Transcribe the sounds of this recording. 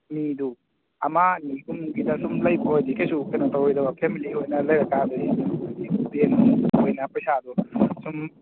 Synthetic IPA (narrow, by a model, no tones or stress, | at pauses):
midu | ɐmaniɡumɡidasumlɐjkʰojdikajsukajnatawɔjdawapʰemiliojnɐlɐjɾakaduidiubeniojnɐpɐjsad̪usum